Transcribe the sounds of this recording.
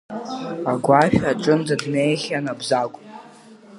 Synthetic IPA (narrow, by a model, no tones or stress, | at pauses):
aɡʷaʃᶣaʈ͡ʂʼɨnzadnejχʲanabzakʷʼ